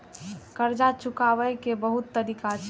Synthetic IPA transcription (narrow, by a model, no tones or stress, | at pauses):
kəɾd͡ʒat͡ʃʰʊkaʋəjkebəɦut̪ːəɾikat͡ʃʰ